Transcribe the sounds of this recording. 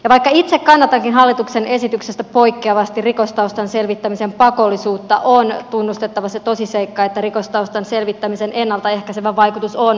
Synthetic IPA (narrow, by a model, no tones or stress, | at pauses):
jɑʋɑikːɑit̪sekkɑnːɑt̪ɑŋkinɦɑlːit̪uksene̞sit̪yksest̪æpoikːeɑʋɑst̪irikost̪ɑust̪ɑnselʋit̪ːæmisempɑkolːisuːtt̪ːɑ̰ʔont̪unːust̪et̪ːɑʋɑset̪osiseikːɑet̪ːærikost̪ɑust̪ɑnselʋit̪ːæmisenʔenːɑlt̪ɑehkæseʋæʋɑikut̪uson